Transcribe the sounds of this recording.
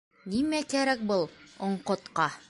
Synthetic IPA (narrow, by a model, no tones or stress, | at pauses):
nimækæɾæk̚bɤlˠŏɴqŏt̪qɑ